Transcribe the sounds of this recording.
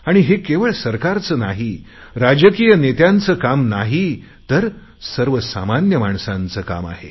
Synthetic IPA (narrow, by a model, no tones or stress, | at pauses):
aɽ̃iɦekeʋəɭsəɾkaɾt͡səːnaɦi | ɾad͡ʑəkijənet̪jãnt͡səːkamnaɦi | t̪əɾ | səɾʋəsa̰manjəmaɳsãnt͡səka̰ma̰ɦḛ